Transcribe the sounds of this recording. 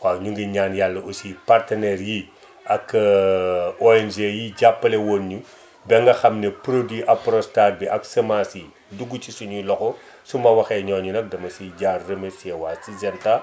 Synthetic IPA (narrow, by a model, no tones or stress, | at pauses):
waːɲuŋɡiɲaːnjalːɐʔusipartɐnɛːɾji | ɐk | ɔɛnʒejiɟapːɐlɛwonɲu | bɛŋɡɐxɐmnɛpɾodiʔɐpɾɔstar̚biʔɐksɐmasi | duɡut͡ʃisuɲulɔxɔ | sumbɐwɐxɛɲɔːɲunɐk̚dɐmɐsiɟaːrːɐmɛsiɛwaːsizɛnta